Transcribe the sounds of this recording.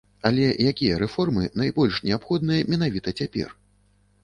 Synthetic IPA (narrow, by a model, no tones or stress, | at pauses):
alʲɛjakʲijɐɾɛfɔrmɨnajbɔlʲʂnʲɛapxɔd̪̚nɨjɐmʲɛn̪avʲit̪ɐt͡sʲapʲɛ̰r